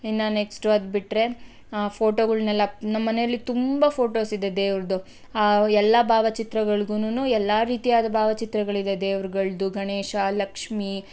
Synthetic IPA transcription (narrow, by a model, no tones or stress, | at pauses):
inːaneksʈʋɐd̪̚biʈɾe̞ | pʰo̞ːʈoːɡɐɭnɛlːɐnɐmːɐnejɐlːit̪umbɐpʰo̞ːʈo̞ːsid̪e̞d̪eːʋɾɐd̪u | aːɛlːɐbʱaːʋɐt͡ʃit̪ɾɐɡɐɭɡuːnuːnuːɛlːaːɾiːt̪ijaːd̪ɐbʱaːʋɐt͡ʃit̪ɾɐɡɐɭid̪e̞d̪eːʋɾɡɐɭd̪uɡɐɳeːʃalɐkʂmi